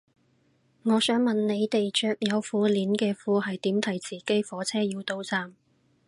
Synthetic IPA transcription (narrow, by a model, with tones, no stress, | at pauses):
ŋɔː˨˧sœː˨˥ŋmɐ˨nne˨˧jt̪e˨jt͡ʃœː˨k̚jɐ˨˧wfuː˨˧liː˨˥nkɛː˧fuː˧ɦɐ˨jt̪iː˨˥mt̪ʰɐ˨˩jt͡siː˨˩ke˥jfɔː˨˥t͡sʰɛː˥jiː˧wt̪o˧wt͡saː˨m